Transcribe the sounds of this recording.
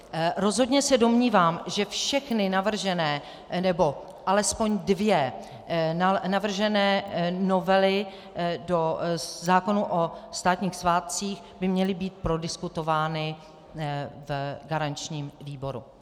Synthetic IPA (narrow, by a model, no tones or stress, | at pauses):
ɾo̞zɦo̞dɲɛsɛdo̞mɲiːvaːmʒɛfʃɛxnɪnavr̩ʒɛnɛː | nɛbo̞ | ʔalɛspo̞ɲdvjɛ | nanavr̩ʒɛnɛːno̞vɛlɪ | do̞zaːko̞nuʔost̪aːt̪ɲiːxsvaːt̪̚t͡siːx | bɪmɲɛlɪbiːt̪̚pɾo̞dɪskut̪o̞vaːnɪ | vɡaɾant͡ʃɲiːmviːbo̞ɾṵ